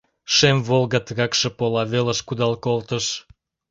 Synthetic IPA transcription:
ʃemvolˠɣɑt̪ɣɑkʃĕpolɑβelə̆ʃkud̪ɑlkolt̪əʃ

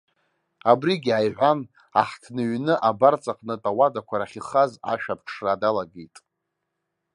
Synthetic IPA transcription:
abriɡʲajʕʷan | a̰ħtʰnɨɥnɨʔabart͡sʼaqʼnɨtʼawadakʷʰaɾaχʲiχaza̰ʃᶣap̚ʰʂʰradalaɡejtʼ

